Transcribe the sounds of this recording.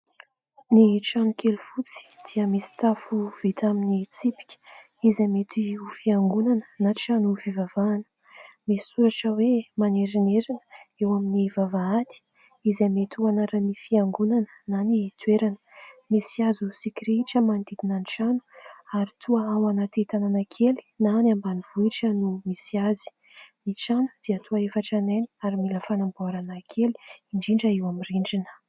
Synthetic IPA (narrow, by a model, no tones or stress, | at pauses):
niʈ͡ʂanukʰelufut͡si̥d̪̥iəmesi̥t̪afuv̥it̪aminit͡sipi̥kʲə̥ | izamet̪ʰiufiaŋɡunanənaʈ͡ʂanufivavaːnə̥ | mesi̥suɾaʈ͡ʂəwemaneɾineɾinə̥ewaminivavaat̪i̥ | izamet̪uanaɾanifiaŋɡunanə̥nanit̪weɾanə̥misiazusikiɾiʈ͡ʂəmand̪id̪inaniʈ͡ʂanu̥aɾit̪ʰuaawanat̪it̪ananakʰeli̥nanambaniv̥uiʈ͡ʂənumisiazi̥ | miʈ͡ʂanu̥d̪̥iət̪ʰuaefaʈ͡ʂanajni̥aɾimiləfanamboaɾanakʰeli̥iɳɖ͡ʐiɳɖ͡ʐəewamiriɳɖ͡ʐinə̥